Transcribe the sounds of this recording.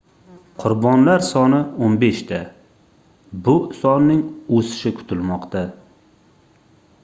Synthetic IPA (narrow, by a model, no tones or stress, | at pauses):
qʰʊɾbɒnlaɾsɒnɪonbe̞ʃt̪ʰa | bʊsɒnːɪŋosɪ̥ʃɪkʰʊ̥t̪ʰɪlmɒqt̪a